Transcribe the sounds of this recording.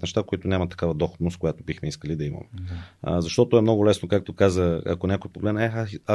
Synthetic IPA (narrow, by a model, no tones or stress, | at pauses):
nɛʃt̪akoit̪onʲamɐt̪ːɐ̥kavəd̪ɔxod̪noskojat̪obixmɛiskəlid̪ɐimə̰mɛ̰zɐʃt̪ɔt̪oɛmnɔɡʊlɛsnokak̚t̪okazəɐ̰konʲakojpoɡlɛnɛa